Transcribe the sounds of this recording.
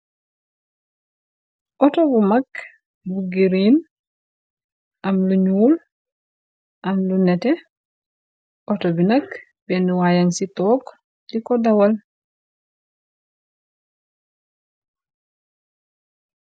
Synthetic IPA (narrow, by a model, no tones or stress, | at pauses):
ʔotobumak | buɡiɾin | ʔamluɲuːl | ʔamlunete | ʔotobinɐk | benduwajaŋsitoːk | dikodawal